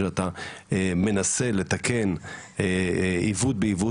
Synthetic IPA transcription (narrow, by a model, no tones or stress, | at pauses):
eat̪a | me̞nase̞le̞t̪ake̞n | ivut̪̚beivu